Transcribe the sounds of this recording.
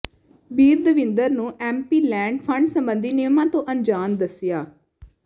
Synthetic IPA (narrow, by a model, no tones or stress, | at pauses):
biːɾd̪əʋɪ̃nd̪əɾnũːʔɛːmpiːlɛ̃ːɳɖpʰəɳɖsəmbənd̪iːnɪjəmãːt̪õːʔəɲd͡ʒaːnd̪əsɪjaː